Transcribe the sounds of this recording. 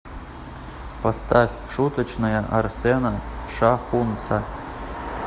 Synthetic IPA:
pʰɐst̪ʰafʲʂut̪ʰət͡ɕnajɐʔarsenaʂaχunt͡sʰa

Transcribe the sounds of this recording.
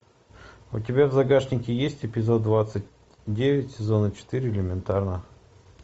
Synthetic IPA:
ʊ̰tʲɪbʲavzɐɡaʂnʲɪkʲɪjesʲtʲɪpʲɪzo̞d̪̚d̪vat̪sɨt̚ʲ | dʲevʲɪtʲsʲɪzo̞nət͡ɕɪ̥t̪ɨɾʲɪɪlʲɪmʲɪnt̪arnə

